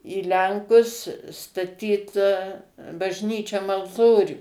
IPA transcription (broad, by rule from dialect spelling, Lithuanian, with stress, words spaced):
iː ˈlʲɛŋkʊs stɐˈtʲiːt bɐʒʲˈnʲiːt͡ʃʲoːm ɐlˠˈtoːrʲuː